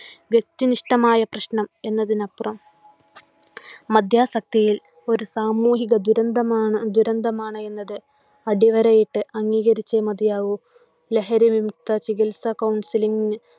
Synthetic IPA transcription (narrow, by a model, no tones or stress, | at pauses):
ʋjek̚t̪iniʂʈɐmaːjɐprɐɕɳɐme̞nːɐðinɐpːurɐm | ɐd̪ʱjaːsɐk̚t̪ijil | o̞ɾusaːmuːɦiɣɐd̪uɾɐnd̪ɐmaːɳd̪uɾɐnd̪ʱɐmaːɳɨe̞nːɐðɨ | ɐɽiʋɐɾɐjiʈːɨʔɐŋːiːɣɐɾit͡ɕːemɐd̪jaːʋu | le̞ɦɐɾiʋimt̪ːɐt͡ɕiɣilsɐkɐwɳsiliŋɡinɨ